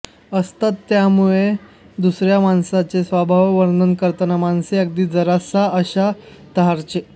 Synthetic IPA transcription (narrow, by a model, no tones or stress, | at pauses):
əst̪at̪ːjamuɭe | d̪usɾjamansat͡sesʋabʱaʋʋəɾd̪ʱənkəɾt̪ənamanseək̚d̪iːd͡zəɾasaəɕa | t̪əɦaɾt͡ɕe